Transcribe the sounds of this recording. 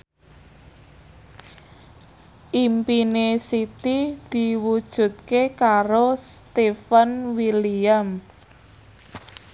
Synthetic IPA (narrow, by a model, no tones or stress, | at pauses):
ʔimpinesit̪id̪̥i̤wud̥ʒ̥ṳt̪̚kekaɾost̪efənwiliam